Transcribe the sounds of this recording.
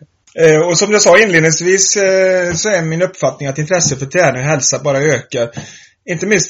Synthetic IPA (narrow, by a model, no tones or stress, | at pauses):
ɔsɔmjasɑːɪnleːd̪ɪŋsviːssɔæɾmɪnɵpːfat̪nɪŋat̪ɪnt̪ʰɾɛsːəfœʈ̪ʰɾɛːnɪɔɦɛlsabɑːɾaøːkaɾ | ɪnt̪əmɪnst̪